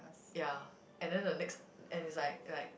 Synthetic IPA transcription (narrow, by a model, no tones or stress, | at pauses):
ja | ʔɛ̃ndɛ̃ndənɛkst | ɛ̃nislaɪk̚laɪk̚